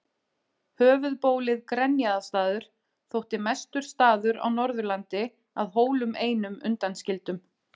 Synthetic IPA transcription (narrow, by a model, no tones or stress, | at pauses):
hœːvʏðpoːwlɪðkɾɛnjaðast̪aːðʏɾ̥ | θowht̪ɪmɛst̪ʏɾ̥st̪aːðʏɾa̰wnɔɾðʏɾlant̪ɪ | a̰ðɦoːwlʏmeːjnʏmʏ̰nt̪anscɪlt̪ʏm